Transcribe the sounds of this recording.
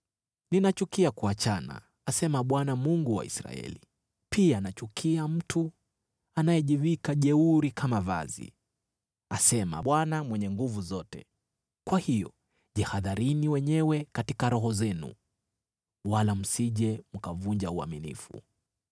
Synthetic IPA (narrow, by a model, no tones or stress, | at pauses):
ninat͡ʃukiakuat͡ʃana̰ | asɛmaɓwanamuŋɡuwa̰ḭsɾa̰ɛ̰li | pianat͡ʃukʰiam̩tu | anajɛʄivikaʄɛuɾikʰamava̰zḭ | asɛma̰ɓwanamwɛɲɛŋɡuvuzɔtɛ̰ | kwahijɔ̰ | ʄɛhaðaɾiniwɛɲɛwɛkatikaɾɔɦɔzɛnṵ | walam̩siʄɛm̩kavuɲd͡ʒaua̰minḭfṵ